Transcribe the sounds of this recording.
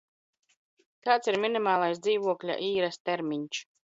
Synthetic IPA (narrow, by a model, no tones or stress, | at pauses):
kaːt̪siɾmʲinʲimaːlˠajs̬d̪ziːvuɔklʲa̰ʔiːɾast̪ɛɾmʲiɲʲt͡ʃ